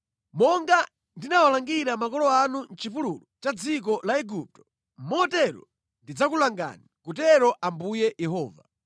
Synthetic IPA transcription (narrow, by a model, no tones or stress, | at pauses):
mɔŋɡa | ndinawalaŋɡiɾamakɔlɔanun̩t͡ʃipululɔt͡ʃad͡zik̬ɔlaɛɡup̚tɔ̥ | mɔtɛɾɔ̰ | ndid͡zakulaŋɡa̰nikutɛɾɔʔambujɛjɛɦɔːva